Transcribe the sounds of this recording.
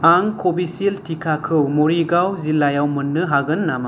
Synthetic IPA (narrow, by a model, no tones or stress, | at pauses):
aŋkʰobisiltʰikʰakʰɯwmoɾiɡawzilːajawmɯnːɯɦaɡɯnːama